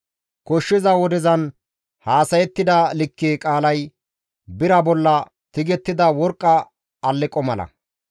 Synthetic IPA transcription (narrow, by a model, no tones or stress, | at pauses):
kɔʃːɪzɐwɔd̪ɪzɐn | haːsɐjɛt̪ːɪd̪ɐlɪkːeːkʼaːlɐj | bɪɾɐbɔlːɐ | t̪ɪɡɛt̪ːɪd̪ɐwɔɾkʼːɐ | ɐlːɪkʼɔmɐlɐ̰